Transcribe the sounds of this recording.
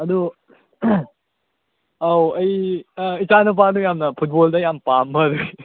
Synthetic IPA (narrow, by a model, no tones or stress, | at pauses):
ɐd̪u | awɐjit͡ʃanɐpanujamnɐpʰut̚boldɐjampamːɐɐd̪ui